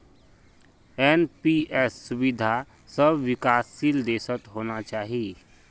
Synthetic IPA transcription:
ɛːnpiɛsːʊbɪd̪ʱa | səbʋɪkaːsːiːld̪eːsət̪ɦoːnat͡ʃaːɦie

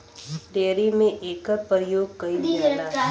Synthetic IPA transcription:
ɖeːɾimẽʔeːkəɾpəɾəjoːɡkɐi

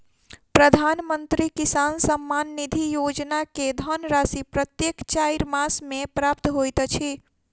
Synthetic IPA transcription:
pɾəd̪ʱanmənt̪ɾikisansəmːanːid̪ʱijod͡ʒnaked̪ʱənɾasipɾət̪jekt͡ʃajɾmasmepɾapt̪ɦojt̪t͡ʃʰi

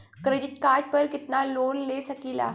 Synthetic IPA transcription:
kɾeɖiʈkaɾʈ̚pəɾkit̪nalonlesəkila̰

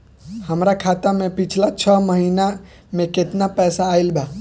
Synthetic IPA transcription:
həmɾakʰat̪amẽpit͡ʃʰlat͡ʃʰəməɦiːna | mẽket̪napɛːsaːilba

